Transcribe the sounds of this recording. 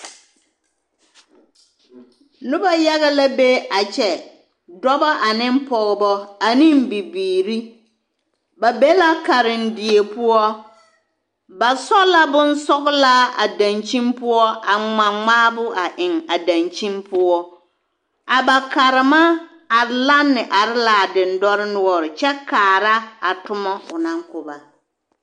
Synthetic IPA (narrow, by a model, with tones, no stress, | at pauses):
nʊ˦ba˦ja˦ɣa˦la˦be˦a˨t͡ʃɛ˨ | dɔ˦ba˦ʔa˨nɪ˦mpɔ˨ɣɪ˨bɔ˦a˨nɪ˦mbi˨biː˨ɾi˦ | ba˨be˦la˦ka˨ɾɪ˨ndɪ˨e˨pʊ˦ɔ˦ | ba˨sɔ˦la˦bʊ˦n˦sɔ˦ɣla˦a̰˨da˨nt͡ʃi˦mpʊ˦ɔ˦a˨ŋ͡ma˨ŋ͡maː˦bʊ˦ʔa˨ʔɪ˨ŋa˨da˨nt͡ʃi˦mpʊ˦ɔ˦ | a˨ba˨ka˨ɾɪ˨ma˦ | a˨˦la˦nːɪ˨ʔa˨ɾɪ˦la˨dɪ˨ndɔ˦ɾɪ˦nʊ˦ɔ˨ɾɪ˨t͡ʃɛ˦kaː˨ɾa˦a˨tʊ˦mɔ˦ʊ˨na˦ŋkʊ˨ba˨